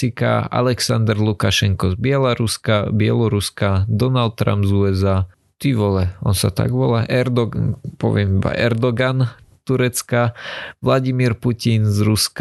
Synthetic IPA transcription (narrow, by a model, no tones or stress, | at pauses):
ika̰a̰lɛksand̪ɾlukaʃɛŋkɔzbɪɛlaɾuskabɪɛ̰lɔɾuskad̪ɔnalt̪̚t̪ːɾa̰mzuɛza | t̪iʋɔlɛɔnsat̪a̰ɡʋɔlaʔɛɾd̪ɔpɔ̰ʋɪɛmiba̰ʔɛɾd̪ɔɡant̪uɾɛt͡skaʋlaɟimiɾpucinzɾusk